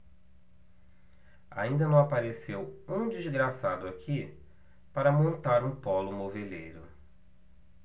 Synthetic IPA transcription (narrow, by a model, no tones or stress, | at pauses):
a̰ĩnd̪ɐnɐ̃w̃apaɾesewũd͡ʒizɡɾasad̪ʊakʰi | paɾɐmõnt̪aɾũpɔlʊmovelḛjɾʊ